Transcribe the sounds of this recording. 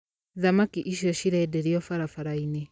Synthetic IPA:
ðamakiʔiʃjɔʃiɾɛdɛɾiɔfaɾafaɾainɛ

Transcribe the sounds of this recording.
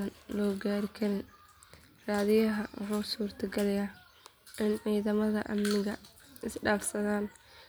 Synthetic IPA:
ɐnlɔːɡaːɾɪkʰɐlɪn | raːðɪjɐɦɐw̰ħuːsuːrt̪ʰɐɡɐlɐjaː | ɪnʕiːðɐmɐðɐʔɐmnɪɣɐ | ɪsɖaːfsɐðaːn

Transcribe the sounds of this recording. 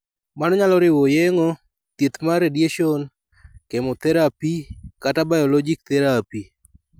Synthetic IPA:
manɔɲalɔɾɪwɔjɛŋɔ | t̪jet̪maɾedjeʃɔn | kemot̪ɛɾapikatabajɔlɔd͡ʒik̚t̪ɛɾapi

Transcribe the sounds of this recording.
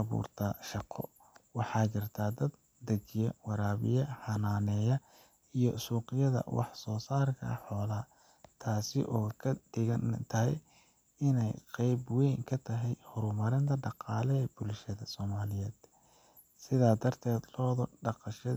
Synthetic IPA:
ɑβṵːrt̪ʰɐʃɑqʰɔ̰ | wɑħɑːt͡ʃɐrt̪ʰaːd̪ɐd̪̚ | d̪ɐɡɪjɐwɑɾaːβɪ̰jɐħɑnaːnɛːjɐ | ijɔsuːqɪjɐðɐ̰wɑ̰ħsɔːsaːrkʰɐ̰ħɔːlaː | t̪ʰaːsɪʔɔːkʰɐd̪̥ɪɣɐnt̪ʰɐɦɛj | ɪnɛjqɛjbwɛjŋkʰɐt̪ʰɐɦɛjhɔɾʊmɐɾɪnt̪ʰɐɖɑqɑːlɛb̥ʊlʃɐðɐsɔːmaːlɪjɛːd̪ | sɪðaːd̪ɐrt̪ʰɛːd̪lɔːðɔɖɑqɑʃɐ

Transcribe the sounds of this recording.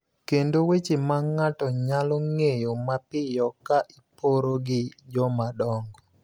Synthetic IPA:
kendowet͡ʃemaŋatɔɲalɔŋejomapɪjɔkaʔipoɾoɡɪd͡ʒɔmadɔŋɡɔ

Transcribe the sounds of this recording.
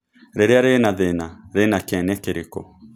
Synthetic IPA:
ɾeɾeaɾenaðenaɾenakɛnɛkeɾekɔ̰

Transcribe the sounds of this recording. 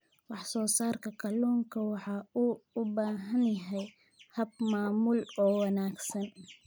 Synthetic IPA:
wɑħsɔːsaːrkʰɐkʰɐluːŋkʰɐwɑħɑːuːʊbaːɦɐnjɐɦɛj | hɐb̚maːmulɔːwɑnaːɡsɐn

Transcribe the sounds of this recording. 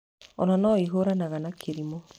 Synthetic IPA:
ɔ̰nanɔiɦoɾanaɣanakʰeɾimɔ

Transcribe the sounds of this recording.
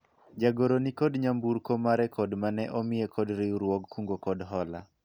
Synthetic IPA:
d͡ʒaɡoɾonikɔdɲambuɾkomaɾɛkʰɔdmanɛʔɔmɪekʰɔdɾɪuɾwɔɡkuŋɡokɔdɦɔla̰

